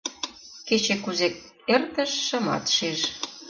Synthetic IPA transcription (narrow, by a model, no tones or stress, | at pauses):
ket͡ɕekuzek | ert̪ə̆ʃːə̆mɑ̰t̪ʃeʃ